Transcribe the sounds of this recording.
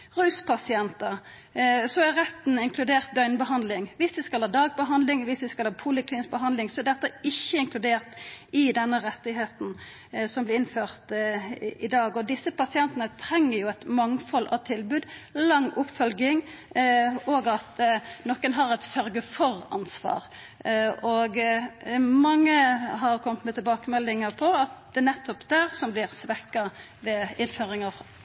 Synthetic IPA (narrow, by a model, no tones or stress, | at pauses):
ʁʉːspʰɑsɪɛnt̪əʁ | sɔæɾɛt̪n̩ɪŋklʉd̪eːʁt̪̚d̪œʏnbəɦɑnd̪lɪŋʋɪsd̪ɪskɑlhɑːd̪ɑːɡ̚bəɦɑnd̪lɪŋʋɪsd̪ɪskɑlhɑːpʰʊlɪkliːnɪs̚bəɦɑnd̪lɪŋsɔɛd̪ɛt̪ːəɪçːəɪŋklʉd̪eːʁt̪ɪd̪ɛnːəʁɛt̪ːɪɦeːt̪n̩ | sɔmblɪɪnføːʁt̪ | ɪd̪ɑːɡɔd̪ɪsːəpɑsɪɛnt̪ənət̪ʰʁɛŋːəɾjʊɛt̪mɑŋfɔlʔɑ̰ʋt̪ʰɪlbʉːd̪lɑŋːʔʊpːfœlɡɪŋ | oːɡɑt̪nɔkːənɦɑɾɛɪt̪sœɾɡəfɔʁɑ̰nsʋɑ̰ːʁ | ɔɡ | mɑŋːəɦɑʁkʰɔmt̪mɛt̪ʰɪlbɑːkəmɛlːɪŋɑpʰɔɑt̪̚d̪ɛnɛt̪ːɔpd̪̥æʁsɔmblɪʁsʋɛkːɑ | ʋɛɪnføːʁɪŋɑʁ